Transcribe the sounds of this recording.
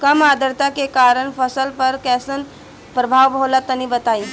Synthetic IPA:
kəmad̪əɾt̪akekaɾəɳ̃pʰəsəlpəɾkɛːsən | pɾəbʱaːʋbʱɦolat̪ənibət̪ai

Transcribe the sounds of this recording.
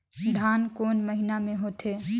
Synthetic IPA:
d̪ʱaːnkoːnməɦinamẽɦot̪ʰe

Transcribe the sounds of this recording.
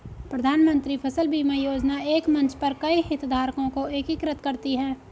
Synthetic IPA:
pɾəd̪ʱaːnmə̃nt̪ɾipʰɐsəlbʱiːmẽjoːd͡ʒnaeːkmɐ̃nt͡ʃpɐɾkɐiɦɪt̪d̪ʱaːɾkõkoekɪkɾət̪kɐɾt̪iɦɛː

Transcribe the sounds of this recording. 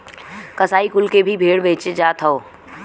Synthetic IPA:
kɐsaːikʊlkebʱibʱeːɽbẽːt͡ʃed͡ʒaːt̪ʰɐoː

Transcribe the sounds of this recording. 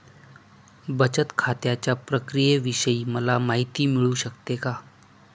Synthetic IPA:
bət͡ɕət̪kʰat̪jat͡ɕjapɾəkɾijeʋiɕəiːməlamaɦit̪iːmiɭuːɕəkt̪eka

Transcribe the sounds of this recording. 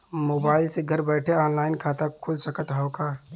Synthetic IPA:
moːbaːɪlseɡʱəɾbɛːʈʰeɔːnlaːɪnkʰaːt̪akʰːʊlsəkət̪ɦəwka

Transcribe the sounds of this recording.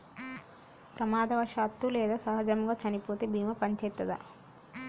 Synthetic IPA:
pɾɐmaːd̪ɐʋɐʃaːt̪ːulɛːd̪aːsɐɦɐd͡ʒɐmɡaːt͡ʃɐnipoːt̪eːbʱiːmɐpɐɲt͡ʃɛːt̪ːɐd̪ɐ̰

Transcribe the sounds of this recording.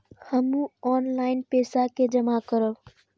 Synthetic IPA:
həmũɔːnlaːɪnpeːsaked͡ʒəmakəɾə

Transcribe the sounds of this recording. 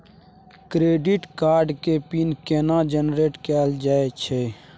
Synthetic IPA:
kɾeːɖiʈkaːɾɖkepinkeːnãːd͡ʒənɾeːʈkɛːld͡ʒaːet͡ʃʰeː

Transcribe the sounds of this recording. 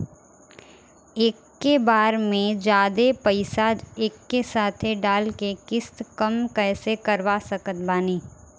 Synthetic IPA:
eːkːebaːɾmẽd͡ʒaːd̪epəɪsad͡ʒeːkːesaːt̪ʰeɖaːlkekɪst̪kɐmkɛːsekɐɾʋasɐkət̪baːniː

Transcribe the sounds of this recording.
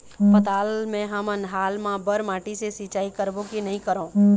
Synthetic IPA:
pət̪aːlmẽɦəmənɦaːlmãbəɾmãːʈisesɪt͡ʃaːikəɾbokinəɦĩkəɾõː

